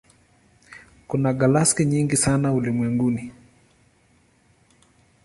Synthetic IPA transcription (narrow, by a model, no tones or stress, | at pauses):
kunaɡalaskɛɲiŋɡisanaulimwɛŋɡuni